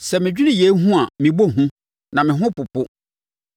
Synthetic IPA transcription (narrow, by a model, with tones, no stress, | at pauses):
sɛ˨mɪ̃˨d͡ʑᶣi˦nĩ˦je˨˦ɦũ˦a˨mĩ˨bo˦ɦũ˦ | nã˨mɪ̃˨ɦʊ̃˦pʊ˨pʊ˦